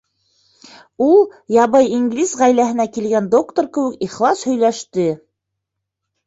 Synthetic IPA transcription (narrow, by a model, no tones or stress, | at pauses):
ulˠjɑβɑjiŋɡlʲizʁæjlæɦɘ̆nækilɡænd̪o̞kt̪orkɘ̆wɘkiχlˠɑshɵ̆jlæʃt̪ɘ